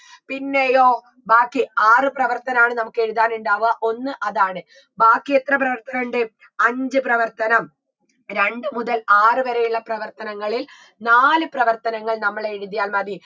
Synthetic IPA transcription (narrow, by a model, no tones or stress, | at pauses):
pinːejo̞ː | baːkːiaːrɨprɐʋɐrt̪ɐnɐmaːɳɨnɐmukːe̞ɻuðaːnuɳɖaːʋuɣɐʔo̞nːɨʔɐðaːɳɨ | baːkːijet̪rɐp̬rɐʋɐrt̪ɐnɐɳɖɨ | ɐɲd͡ʑɨprɐʋɐrt̪ɐnɐm | ɾe̞ɳɖɨmuðɐlaːrɨʋɐɾɐjuɭːɐprɐʋɐrt̪ɐnɐŋːɐɭil | naːlɨprɐʋɐrt̪ɐnɐŋːɐɭnɐmːɐɭeːɻuðijaːlmɐði